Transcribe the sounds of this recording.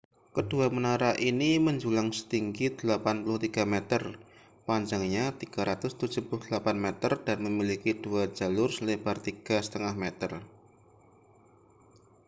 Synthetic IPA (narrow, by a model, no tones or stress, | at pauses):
kəd̥uamənaɾaʔiniməɲd͡ʒulaŋsə̥t̪iŋɡid̪̥əlapanpulʊht̪iɡ̥amet̪ər | paɲd͡ʒaŋɲat̪iɡ̥a̤ɾat̪ʊst̪ud̥d͡ʒ̥upulʊhd̥əlapanmet̪ərd̥anməmilikid̥uad͡ʒalʊrsəlebart̪iɡ̥a̤sə̥t̪əŋahmet̪ər